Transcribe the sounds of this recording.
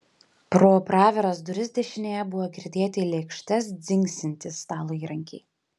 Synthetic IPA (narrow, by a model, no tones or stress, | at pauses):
pɾoːpɾɑːʋʲɛɾɐsd̪ɾʲɪzʲd̪ʲɛʃʲɪnʲeːjɛbʊʋoːkʲɾʲɪd̪ʲeːt̪ʲɪlʲɛkʃʲt̪ʲɛsd̪zʲɪŋʲksʲɪnʲt̪ʲɪst̪ɑːlˠoːiːɾɐŋʲkʲɛɪ